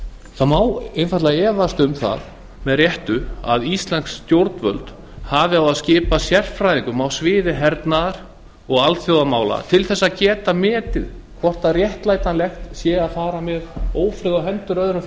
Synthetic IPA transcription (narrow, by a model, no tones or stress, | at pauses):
θamaːwenfat̪laɛːvast̪ʏmθa̰ð | mɛðrjɛht̪ʏa̰ðist̪lansːt̪jowɾt̪nvœ̰lt̪ | havɪawaðscɪːpasjɛr̥fɾajðiŋkʏmawsvɪːðɪɦɛɾt̪naðaɾ̥ | ɔɣalt̪θjowðamaːwla̰t̪ʰɪlθɛsːaðcɛːt̪amɛːt̪ɪð | kʰvɔr̥t̪aðrjɛht̪laːjt̪anlɛxt̪sjɛːaðfaːɾamɛðoːwfɾʏɣawɦɛnt̪ʏɾœðɪnʏf